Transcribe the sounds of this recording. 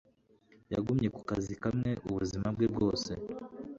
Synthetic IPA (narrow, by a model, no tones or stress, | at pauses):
jaɡumɲe̞ku̥kazikamŋe̞ʔuβuzimab̚ɡebɡo̞ːse̞